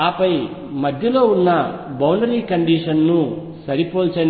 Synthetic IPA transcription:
aːpɐj | mɐd̪ʱjɐlo̞ːunːɐbɐwɳɖɐɾiːkɐɳɖiːʂɐnːu | sɐɾipoːlt͡ʃɐn

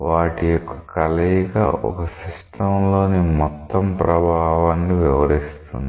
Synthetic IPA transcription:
ʋaːʈijɔkːɐ̥kɐlɐjɡa̰ːʔɔ̰kɐsiʂʈɐmlo̞ːnimɔt̪ːɐmpɾɐbʱaːʋɐnːiʋɛʋɐɾist̪ṵnd̪i

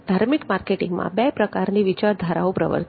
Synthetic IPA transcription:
d̪ʱaɾmikmaɾkeʈɪŋɡmã̰bɛpɾəkaɾniʋit͡ʃaɾd̪ʱaɾaõpɾə̰ʋə̰ɾ

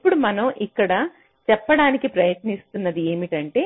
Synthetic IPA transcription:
pːuɽumɐnɐmʔikːɐɽɐ | t͡ʃɛpːɐɽaːnikipɾɐjɐt̪nist̪unːɐd̪ie̞ːmiʈɐɳʈe̞ː

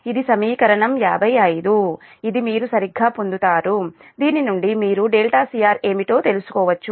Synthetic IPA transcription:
id̪isɐmiːkɐɾɐɳɐmjaːbʱɐjɐjid̪u | id̪imiːɾusɐɾiɡʱːaːpond̪ut̪aːɾu | d̪iːninuɳɖimiːɾuɖeːlʈaːsiːjaːɾe̞ːmiʈo̞ːt̪e̞lusu̥kɔːʋɐt͡ʃːu

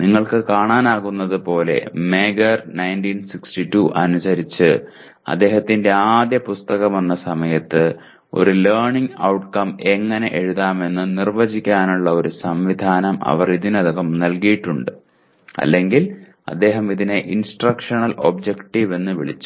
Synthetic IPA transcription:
niŋːɐɭkɨkaːɳaːnaːɣunːɐðɨpo̞ːle̞̰meːɡɐrnɐjntiːnsikstiʈːuʔɐnusɐɾit͡ɕːɨ | ɐ̰d̪ːe̞ːɦɐt̪ːinde̞aːd̪jɐpust̪ɐɣɐmenːɐsɐmɐjɐt̪ːɨ | o̞̰ɾuleːrɳiŋɐ̰wʈkɐme̞ŋːɐne̞̰ʔeɻuðaːme̞nːɨnirʋɐd͡ʑikʲːaːnuɭːɐo̞ɾusɐmʋid̪ʱaːnɐmɐ̰ʋɐriðinɐðɐɣɐmnɐlkijiʈːuɳɖɨ | ɐ̰lːe̞ŋɡil | ɐ̰d̪ːe̞ːɦɐmiðineʔinsʈrɐkʂɐɳɐlo̞bd͡ʑekʈiʋe̞nːɨʋiɭḭt͡ɕːu̥

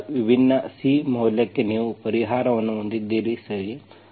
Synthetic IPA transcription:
ʋibʱinːɐsiːmɐwljɐkːeniːʋupɐɾiɦaːɾɐʋɐnːuond̪id̪ːiːɾisɐɭi

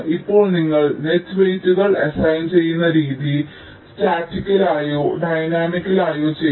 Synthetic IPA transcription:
ipːo̞ːɭniŋːɐɭnetːʋɐjit͡ɕːuɣɐɭesɐjnt͡ɕe̞jːunːɐɾiːði | staːʈːikʲːɐlaːjoːɖɐjnaːmikʲːɐlaːjoːt͡ɕe

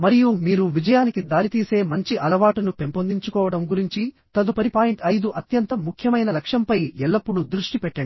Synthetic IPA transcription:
mɐɾijumiːɾuʋid͡ʒɐjaːnikid̪aːɾit̪iːse̞ːmɐɲt͡ʃiʔɐlɐʋaːʈunupe̞mpond̪iɲt͡ʃukɔːʋɐɽɐmɡuɾiɲt͡ʃi | t̪ɐd̪upɐɾipaːjiɳʈɐjd̪uʔɐt̪jɐnt̪ɐmukʰjɐmɐjnɐlɐkʂɐmpɐjɛlːɐpːuɽud̪ɾuʂʈipɛʈːɐɳu

